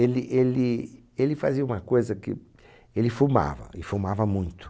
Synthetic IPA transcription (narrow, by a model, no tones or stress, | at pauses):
elɪʔelɪ | elɪfaziɐũmɐkojzɐkɪ̰ | elɪfuma̰vɐ̰ɪfumavɐmũj̃t̪ʊ̥